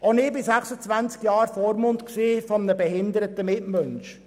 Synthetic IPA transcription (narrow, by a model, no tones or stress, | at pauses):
onɪbɪsæχsət͡sʋænt͡skjɑːɾfoːɾmʊnt̪ksiːfɔmənəbɛhɪnd̪əɾətəmɪtmœnʃ